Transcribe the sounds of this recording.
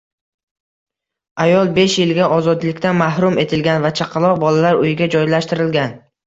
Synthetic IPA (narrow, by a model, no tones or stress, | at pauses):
ajɒlˠbe̞ʃjɪlɡʲaʔɒzɒd̪lɪkʲt̪anmahɾʊme̞t̪ʰɪlɡʲanvat͡ʃʰaqʰɑlˠɒq̚bɒlalaɾʊjɪɡʲad͡ʒɒjlaʃt̪ɪɾɪlɡʲan